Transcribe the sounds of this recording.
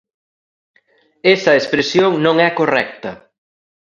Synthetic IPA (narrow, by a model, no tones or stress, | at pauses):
esɐespɾesjoŋnõŋɛkorɛ̰k̚t̪ɐ